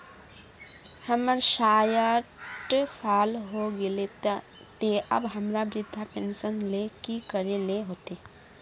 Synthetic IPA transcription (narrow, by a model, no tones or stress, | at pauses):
həməɾʃaːjəʈsaːlɦoɡɪle | t̪eʔɐ̰bɦɐmɾabɾɪd̪ʱːapẽnsənlekikəɾeleɦoːt̪e